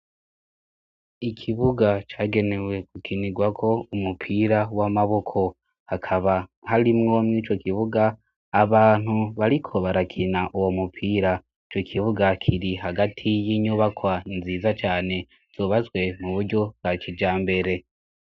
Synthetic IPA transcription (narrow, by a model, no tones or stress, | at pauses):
ikʰiβuɡat͡ʃaːɡe̞ne̞we̞kukʰiniɡwakʰo̞umupʰiːɾawamaβo̞kʰo̞ | hakʰaβahaɾimŋo̞mŋiːt͡ʃo̞kiβuɡaː | βaːn̥huβaɾikʰo̞βaɾakʰinaʔuwo̞mupʰiːɾa | it͡ʃo̞kʰiβuɡakʰiɾiɦaɡatʰijiːɲuβakwainziːzat͡ʃaːne̞ | z̥uːβazɡwe̞muβuɾɟo̞bɡat͡ʃid͡ʒaːmbe̞ɾe̞